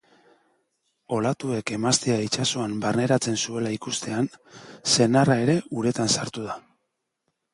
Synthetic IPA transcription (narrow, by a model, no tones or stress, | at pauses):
o̞lat̪ue̞ke̞mast̪eait͡ʃaso̞ambarne̞ɾat͡se̞nsue̞laikust̪e̞anse̞narae̞ɾe̞uɾe̞t̪ansaɾt̪uð̞a